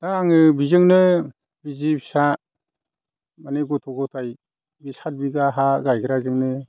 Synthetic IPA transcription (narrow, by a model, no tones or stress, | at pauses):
d̥aaŋɯbizɯŋnɯ | bizibʰisa | maneɡɔtʰɔɡɔtʰaj | bisat̚biɡaɦaɡajɡɯɾazɯŋnɯ